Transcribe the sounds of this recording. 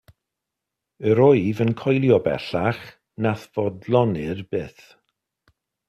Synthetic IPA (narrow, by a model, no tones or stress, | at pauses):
əɾɔɨvənkʰɔjlˠjɔbɛ̰ɬaχ | naθv̥ɔdlˠɔnɪrb̥ɪθ